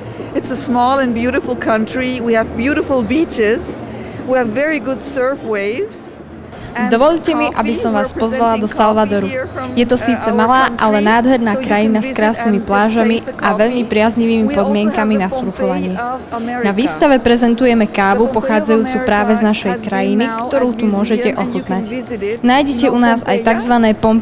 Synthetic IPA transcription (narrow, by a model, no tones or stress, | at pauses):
ɪtsəsmɔlˠə̃nbjuɾɪfl̩ˠkʰʌ̃ntɹ̥iwiɨvbjuɾɪfl̩ˠbit͡ʃɪz̥ | wiævːɛɹiɡʊdsɜ˞fweɪvz̥ | d̪ɔʋɔʎcɛmiʔa̰bisɔmʋaːsppɔzʋalad̪ɔsalʋad̪ɔɾujɛt̪ɔsiːt͡sɛmalaːʔalɛnaːd̪ɦɛɾnaːkɾajinaskɾaːsnimiplaːʒamiʔaʋɛʎmipɾɪazɲiʋiːmipɔd̪mɪɛŋkaminasuɾufɔʋaɲɪɛnaʋiːst̪aʋɛpɾɛzɛnt̪ujɛmɛkaːʋupɔxaːd͡zajuːt͡supɾaːʋɛznaʃɛjkɾajinikt̪ɔɾuːt̪umʊɔʒɛcɛʔɔxut̪nacnaːjɟɛcɛunaːza̰jt̪aɡzʋanɛːpɔm